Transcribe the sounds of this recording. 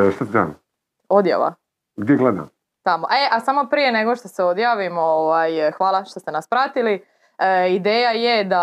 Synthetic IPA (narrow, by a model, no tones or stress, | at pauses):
ʃt̪at̪za̰m | o̞d̪ja̰ːʋa̰ | ɡd̪jeɡled̪a̰m | t̪amoʔeʔasamo̞pɾije̞ne̞ɡoʃt̪o̞seod̪jaːʋimooʋajxʋaːlˠaʃt̪o̞st̪e̞naspɾat̪ili | id̪eːjajed̪a